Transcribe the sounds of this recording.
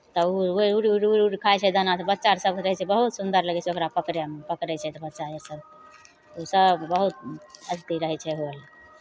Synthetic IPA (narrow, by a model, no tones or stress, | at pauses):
t̪ɔuuɾiuɾiuɾuɾikʰajt͡ʃʰɛd̪ʱənat̪bət̪ːʃaɾsəbkɾəɦɛt͡ʃʰɛbəɦut̪sund̪əɾləɡɛt͡ʃʰɛokɾapəkɾempəkɾɛt͡ʃʰɛt̪ɔbət̪ːt͡ʃaeɾsəb | usəbːəɦut̪əd͡ʒt̪iɾəɦɛt͡ʃʰɛɦoəl